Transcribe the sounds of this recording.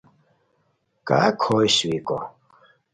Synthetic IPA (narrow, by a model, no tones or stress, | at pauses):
kʼa̰kʰɔjʃikʼɔ